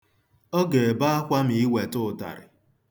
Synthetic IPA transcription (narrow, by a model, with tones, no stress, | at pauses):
ɔ˦ɡe˨ba˦a˦kʷa˦mi˨i˦we˨tʊ˦˨ta̰˨ɾɪ̰˨